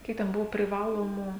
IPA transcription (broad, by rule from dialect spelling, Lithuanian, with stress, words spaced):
ˈkʲiɛk tʲɛn ˈbʊʋoː pʲrʲɪˈʋɑːlˠoːmʊ